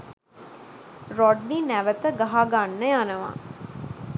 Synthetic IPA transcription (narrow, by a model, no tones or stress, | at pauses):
rɔɖninæʋət̪əɡaɦaɡanːəjanəʋa̰